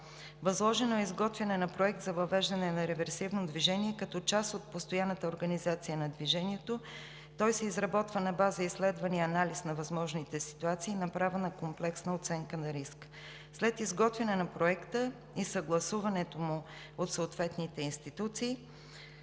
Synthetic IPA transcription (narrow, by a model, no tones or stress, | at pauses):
vɐzlˠɔʒɛnoɛizɡɔt̪vʲənɛnɐpɾoɛk̚t̪zɐvɐvɛʒd̪ɐnɛnɐɾɛvɛɾsivnod̪viʒɛniɛkɐt̪ɔt͡ʃasot̪̚post̪ojanət̪əoɾɡɐnizat̪sijənɐd̪viʒɛniɛt̪o | t̪ɔjsɛizɾɐbɔt̪vənɐbazəislɛd̪vɐniɐnalisnɐvɐzmɔʒnit̪ɛsi̥t̪uat̪siːnɐpɾavənɐkomplɛksnəot̪sɛŋkənɐɾisk | slɛt̪izɡɔt̪vʲɐnɛnɐpɾoɛkt̪ə | isɐɡlˠɐsuvɐnɛt̪omʊ | ot̪səʊt̪vɛt̪nit̪ɛinst̪it̪ut̪siː